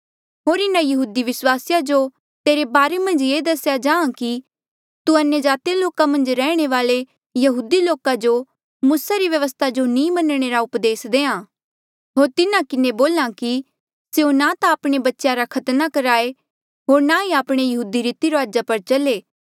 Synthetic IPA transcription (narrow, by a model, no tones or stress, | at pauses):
ɦoːɾɪnãjɐɦuːd̪iʋɪswaːsjad͡ʒo | t̪eːɾebaːɾemɐ̃nd͡ʒjeːd̪ɐsjad͡ʒãːãki | t̪uɐnjəd͡ʒaːt̪ijaloːkamɐ̃nd͡ʒɾɛːɽ̃eʋaːle | jɐɦuːd̪iloːkad͡ʒo | muːsaɾiʋjɐʋəs̬t̪ʰad͡ʒonĩːmɐnɽ̃eɾaʊpd̪eːsd̪eːãː | ɦoːɾt̪ɪnãkɪneboːlãki | seonat̪aaːpɽ̃ebɐtːʃjaɾakʰɐt̪nakɐɾaːe | ɦoːɾnaiaːpɽ̃ejɐɦuːd̪iɾiːt̪iɾoaːd͡ʒapɐɾt͡ʃɐleː